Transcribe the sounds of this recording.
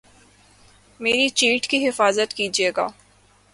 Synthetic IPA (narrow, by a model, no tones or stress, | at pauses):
meːɾit͡ʃiːʈkiɦɪfaːzət̪kiːd͡ʒieːɡa̰ː